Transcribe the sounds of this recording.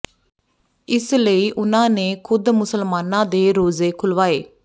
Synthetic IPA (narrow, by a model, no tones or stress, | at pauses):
ɪsləiːʔʊnãːneːkʰʊd̪mʊsəlmaːnãːd̪eːɾoːzeːkʰʊlʋaːeː